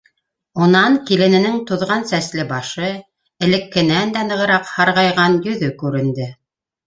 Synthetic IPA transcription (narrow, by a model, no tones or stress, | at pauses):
ŏnɑŋkilɘ̆nɘ̆nɘŋt̪ŏðʁɑnsæslɘbɑʃɤ | ɘ̆lɘ̆kːɘ̆nænd̪ænɤ̆ʁɤ̆ɾɑqhɑɾʁɑjʁɑnjɵ̆ðɵkʉɾɘ̆nd̪ɘ